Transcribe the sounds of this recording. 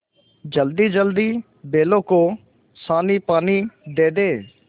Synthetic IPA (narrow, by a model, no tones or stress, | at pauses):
d͡ʒəld̪iːd͡ʒəld̪iː | beːloːkoː | saːniːpaːniːd̪eːd̪eː